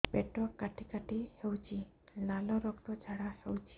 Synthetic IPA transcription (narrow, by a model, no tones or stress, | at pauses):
peʈɔkːaʈʰikaʈihewt͡ʃʰi | lalɔɾɔkt̪ɔd͡ʒʱaɽahewt͡ʃʰi̥